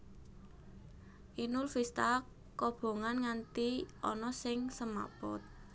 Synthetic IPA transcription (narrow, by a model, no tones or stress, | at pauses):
ʔinʊlfist̪a | kɔb̥o̤ŋanŋant̪iʔɔnɔsɪŋsəma̰pɔ̰t̪̚